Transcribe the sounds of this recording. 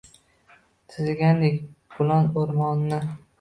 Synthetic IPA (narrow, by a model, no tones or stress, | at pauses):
t̪ʰɪzɡʲand̪ekʲbʊlɒnoɾmɒnːɪ